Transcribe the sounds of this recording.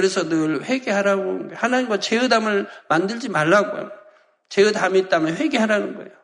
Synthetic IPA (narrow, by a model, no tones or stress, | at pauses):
kɯɾesʰʌnɯɭɸe̞ɡe̞ɦaɾaɡonɯnɡehanaɲimɡwat͡ɕeɯdamɯɭmandɯɭd͡ʑimaɭːaɡo̰jo̰ | t͡ɕeɯdamit̚t͈amɯɭɸwe̞ɡeɦaɾanɯnɡʌḛjo